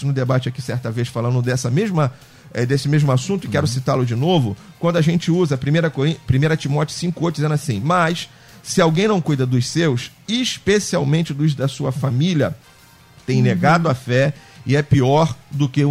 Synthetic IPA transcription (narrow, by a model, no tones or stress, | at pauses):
sʊnʊd̪ebat͡ʃɪakisɛɾt̪ɐveʃfalɐ̃nd̪ʊd̪ɛsɐmeʒmɐ | ɛd̪esɪmeʒmʊasũt̪ʊɪkɛɾʊsit̪alʊd͡ʒɪnovʊkwɐ̃nd̪ʊaʒẽnt͡ʃɪuzɐpɾimejɾɐkoɾĩpɾimejɾɐt͡ʃimɔt͡ʃʊ̥sĩkʊojt̪ʊd͡ʒizẽnasĩmɐʃ | sɪawɡẽj̃nɐ̃w̃kujd̪ɐd̪ʊssewsiʃpesiawmẽt͡ʃɪd̪ʊzd̪ɐsuɐfamilʲiɐ | t̪ẽj̃neɡad̪ʊafɛɪɛpiɔɾd̪ʊke